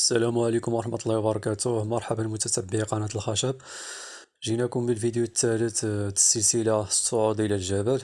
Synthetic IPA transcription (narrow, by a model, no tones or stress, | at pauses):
ʔəsːælæmʕalikʊmwɑɾˤɑħmɑt̪ˤlˤːɑwbɑɾˤɑkæt̪ʊhmɑɾˤħabəlmʊt̪æt̪æbːiqɑnæt̪əlxæʃæb | ʒinækʊmbəlfid̪jut̪ːælət̪t̪ə̥səlsilasˤːoʕud̪əlælʒæbəl